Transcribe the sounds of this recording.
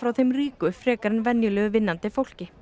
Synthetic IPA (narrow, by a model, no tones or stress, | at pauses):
fɾawθejmriːkʏfɾɛːkaɾɪnvɛnjʏlɛːɣʏvɪnːant̪ɪfowl̥cɪ